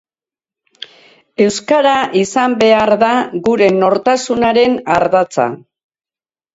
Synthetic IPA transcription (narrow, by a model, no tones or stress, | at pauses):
e̞wskaɾaʔisambe̞aɾðaɣuɾe̞no̞ɾt̪asunaɾe̞naɾðat͡sa̰